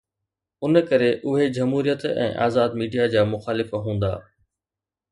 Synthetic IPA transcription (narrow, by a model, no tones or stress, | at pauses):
ʊnkɐɾeʔʊɦed͡ʑɐmɦuːɾijət̪ɛ̰̃ːʔa̰ːzaːd̪miːɖijad͡ʑaːmʊxaːlɪfɦũːnd̪a̰ː